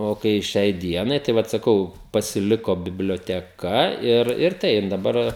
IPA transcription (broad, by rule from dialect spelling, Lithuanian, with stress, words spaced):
oː ˈkɐɪ ˈʃʲɛɪ ˈdʲiɛnɐɪ tɐɪ ˈʋɐt sɐˈkɐʊ pɐsʲɪˈlʲɪkoː bʲɪbʲlʲoːtʲɛˈkɐ ɪr ɪr ˈtɐɪp dɐˈbɐr